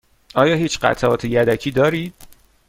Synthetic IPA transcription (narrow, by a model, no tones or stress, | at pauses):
ʔɒːjɒːhiːt͡ʃɢæ̰t̪ʰæɒːt̪ʰejæd̪æcʰiːd̪ɒːɾiːd̪̥̚